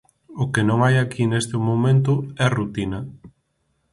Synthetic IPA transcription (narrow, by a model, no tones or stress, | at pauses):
ʊkenõŋajakinest̪ɪmomẽnt̪ʊɛrut̪inɐ